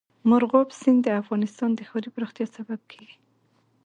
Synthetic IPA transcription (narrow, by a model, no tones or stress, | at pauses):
mʊɾɣɑbsɪnd̪d̪əafɣɑnɪst̪ɑnd̪əxɑɾipəɾuxt̪jɑsabab̚kʰeɡi̥